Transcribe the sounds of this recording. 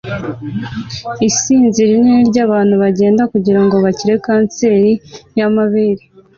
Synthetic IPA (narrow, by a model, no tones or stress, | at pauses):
isiːnziɾininiɾɟaːβaːn̥huβaɟe̞ːndakuɟiɾaŋɡo̞βaciɾe̞kaːnse̞ːɾijamaβeɾi